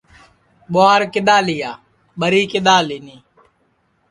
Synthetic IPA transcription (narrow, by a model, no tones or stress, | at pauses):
ɓoaːɾkɪɗ̪aːlɪjaː | ɓəɾiːkɪɗ̪aːliniː